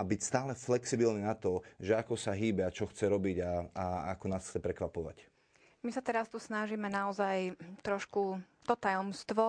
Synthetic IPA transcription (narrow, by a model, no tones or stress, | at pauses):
abicst̪aːlɛflɛksibilniːnat̪ɔʒɛakɔsaɦiːbɛat͡ʃɔxt͡sɛɾɔbiɟaaakɔnaːsxt͡sɛpɾɛkʋapɔʋa̰c | misat̪ɛɾast̪usnaʒimɛnaɔzajt̪ɾɔʃku | t̪ɔt̪ajɔmst̪ʋɔ